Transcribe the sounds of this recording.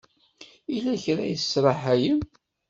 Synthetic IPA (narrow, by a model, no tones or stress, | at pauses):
ilæçɾæ̰jsːɾˤəħæjəm